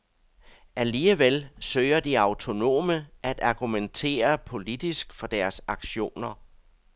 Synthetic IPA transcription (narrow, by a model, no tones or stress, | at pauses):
ʔæliːəʋelsøːɪɐd̥iɑ̈ʊt͡sʰo̝no̝̰ːməʔæd̥ɑ̈ɡ̥ument͡sʰe̝̰ːɐpʰo̝lid̥isɡ̥fɒ̽d̥æɐsɑ̈ɡ̥ɕo̝̰ːnɐ